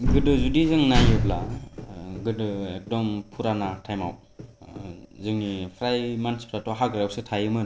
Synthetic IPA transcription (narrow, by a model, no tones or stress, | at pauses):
ɡɯdɯzudizɯŋnajɯpla | ɡɯdɯek̚dɔmpʰuɾanatʰajma̰w | zɯŋnipʰɾajmanspʰɾatɔɦaɡɯɾaw̚sɯtʰajɯmɯn